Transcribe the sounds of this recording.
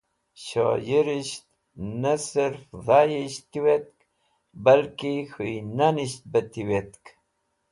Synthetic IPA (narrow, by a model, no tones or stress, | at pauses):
ɕo̰jiɾiʃt̪̚ | nasɪɾfðɑjiɕt̪iwet̪̚k | balkixujnaniɕt̪̚bət̪iwet̪k